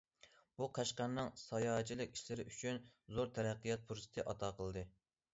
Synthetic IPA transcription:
b̥uqʰɑʃqɑnːɨŋsɑjɑːt͡ʃʰilˠɪkʲi̥ʃlɪɾɪʔyt͡ʃʰynzoɾt̪ʰɛɾæqːijɑt̪̚pʰuɾsɨ̥t̪ʰɪʔɑt̪ʰɑːqʰəlˠd̪ɨ

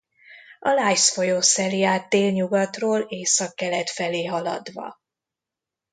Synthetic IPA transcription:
ʔɒlaːjsfo̞joːsɛlijaːt̪ːeːlɲuɡɒt̪roːleːsɒkːɛlɛt̪fɛleːɦɒlɒ̰d̪ʋɒ̰

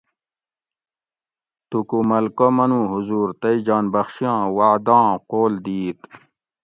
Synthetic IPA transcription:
t̪ukumɐlkomɐnũːɦuzuːɾt̪ɐid͡ʑaːnbɐxɕijɑ̃ːwaːd̪ɑ̃ːqoːld̪iːt̪

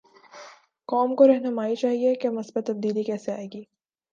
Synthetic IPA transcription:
kɔːmkoɾɛɦnɐmaːit͡ʃaːɦiekeɐmɐsbet̪ːɐb̚d̪iːlikɛːseaːeːɡiː

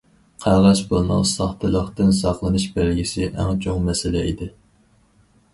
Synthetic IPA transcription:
qʰæʁɑʃbolˠnɑ̰qsɑχt̪ɨlˠəχt̪ɨnsɑχlˠɨnɨʃbælɡʲisɪʔæ̰ŋt͡ʃʰoŋmɛsɪlɛḭd̪ɪ

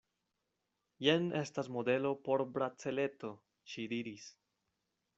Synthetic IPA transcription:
jene̞stasmo̞de̞lo̞po̞ɾbɾat͡se̞le̞to̞ | ʃidiɾis

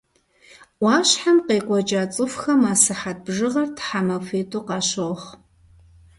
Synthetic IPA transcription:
wɑːɕħamqeːkʷʼɔt͡ʃʼaːt͡sʼɨfxɐmaːsɨħat̚bʐɨʁɐrtʰħamɐfʷeːtʰʼoːqɑːɕoʁχ

